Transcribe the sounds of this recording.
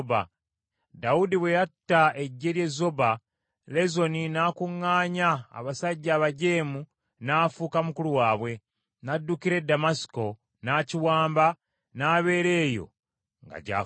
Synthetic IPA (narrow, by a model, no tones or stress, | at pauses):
ba | daudiβwejatːae̞ɟːe̞ɾje̞zo̞ba | le̞zo̞ninaːkuŋːaːɲa̰ːβasaɟːaːβaɟe̞ːmu | naːfuːkamukuluwaːβwe̞ | nadːukiɾe̞damasi̥ko̞ | naːciwaːmba | naːβe̞ːɾe̞ːjo̞̰ | ŋɡa̰ɟa̰ː